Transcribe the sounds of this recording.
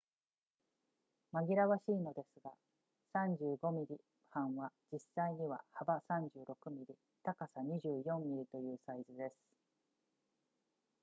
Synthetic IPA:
maɡʲiɾaβaɕiːno̞d̪e̞sɨɡa | sãɲd͡ʑɨːɡo̞mʲiɾʲi | hãɰ̃βad͡ʑisːaiɲ̟iβa̰habasãɲ̟d͡ʑɨːɾʔo̞kɯ̟mʲiɾʲi | t̪akasaɲ̟iʑɨːjõ̞mːʲiɾʲit̪o̞jɯ̟ːsaizɨd̪e̞sɨ̥

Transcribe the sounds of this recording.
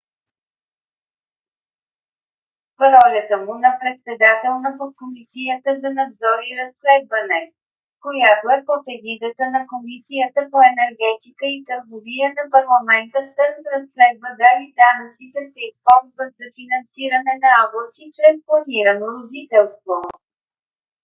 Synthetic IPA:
ɾɔlʲət̪əmunɐpɾɛt̪sɛd̪at̪ɛlˠnəpokomisijət̪əzɐnɐd̪zɔɾiɾɐslɛd̪vənɛ | kojat̪oɛpot̪ɛɡid̪ət̪ənɐkomisijət̪əpoɛnɛɾɡɛt̪ikəit̪əɾɡovijənɐpɐɾlˠɐmɛnt̪əst̪əɾnsɾɐsːlɛd̪vəd̪aɾid̪anət̪sit̪ɛsɛispɔlˠzvət̪zɐfinɐnsiɾɐnɛnɐaɡlok̪it͡ʃɾɛsplˠɐniɾənoɾod̪it̪ɛlˠst̪vo

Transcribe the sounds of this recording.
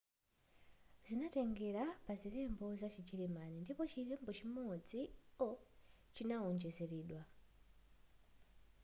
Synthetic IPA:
z̥inatɛŋɡɛɾapaziɾɛmbɔzat͡ʃit͡ʃiɾimanindipɔt͡ʃiɾɛmbɔt͡ʃimɔd͡ziɔ | t͡ʃinaɔnd͡ʒɛzɛɾiːɗwa

